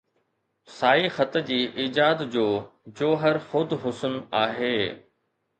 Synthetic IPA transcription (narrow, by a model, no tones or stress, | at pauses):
saːixɐt̪d͡ʑiːʔiːd͡ʑaːd̪d͡ʑoːd͡ʑoːɦəɾxʊd̪ʱɦʊsʊnaːɦeː